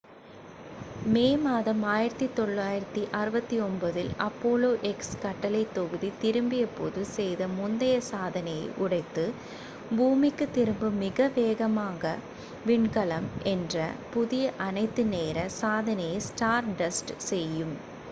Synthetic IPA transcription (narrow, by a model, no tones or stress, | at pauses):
meːmaːðɐmaːjɪɾɐt̪ːit̪ɔɭːaːjɪɾɐt̪ːiʔɐɾɯbɐt̪ːiɔmbɐðɪlɐpːoːloːʔɛkskɐʈːɐlɐɪt̪ːɔɣɯðit̪ɪɾɯmbɪjɛpːoːðɯsɛjðɐmʊnd̪ɐjɐsaːðɐnɐjɐɪʔʊɽɐɪt̪ːɯ | buːmɪkːɯt̪ːɪɾɯmbɯmɪɣɐʋeːɣɐmaːɣɐ | ʋɪɳkɐlɐmʔɛndrɐ̰pʊðɪjɐʔɐnɐɪt̪ːɯneːɾɐsaːðɐnɐjɐɪsʈaːɾɖɐsʈsɛjːɯm